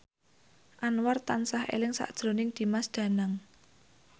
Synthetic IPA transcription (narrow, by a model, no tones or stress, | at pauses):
ʔanwart̪ansahʔḛlɪŋsa̰ʔd̥ʒ̥ɾo̤nɪŋd̪̥i̤masd̪̥ä̤naŋ